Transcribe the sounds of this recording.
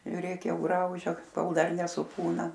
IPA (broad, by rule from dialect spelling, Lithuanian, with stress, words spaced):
ʒʲʊˈrʲeːk ˈjɛʊ ˈɡrɐʊʒʲɛ ˈkoːlˠ ˈdɐr nʲɛsʊˈpuːnɐ